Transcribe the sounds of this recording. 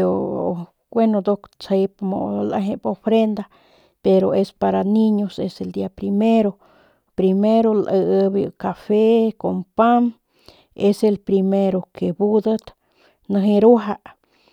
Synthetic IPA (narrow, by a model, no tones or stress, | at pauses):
o | ɡwenod̪okt͡sajpmolaɦepofɾend̪a | peɾoespaɾaniɲoseseld̪iapɾimeɾo | pɾimeɾolʔəəbj̰kafekompam | eselpɾimeɾokebud̪ət̪ | nəɦiɾuɦaʔ